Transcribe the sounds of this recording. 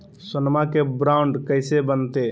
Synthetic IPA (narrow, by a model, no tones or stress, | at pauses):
sənmakebɾaʊɳɖkəɪsebənt̪e